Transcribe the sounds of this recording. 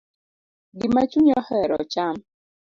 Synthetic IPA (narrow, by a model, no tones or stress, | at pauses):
ɡimat͡ʃuɲɔhɛɾɔ̰t͡ʃam